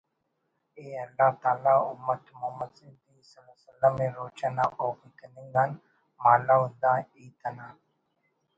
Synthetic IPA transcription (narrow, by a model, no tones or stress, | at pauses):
eːɐlːat̪aːlaːʊ̰mːət̪muːməd̪sɪnd̪isəlasəlːəmːẽːɾoːt͡ʃənaʔoːkʊt̪ənɪ̃ŋɡan | maːlaːɦʊ̃nd̪aːiːt̪ʰənaː